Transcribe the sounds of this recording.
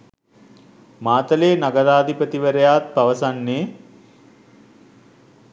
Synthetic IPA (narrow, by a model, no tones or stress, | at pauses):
maːt̪əleːnaɡəɾaːd̪ʱipət̪iʋəɾəjaːt̪̚paʋəsanːeː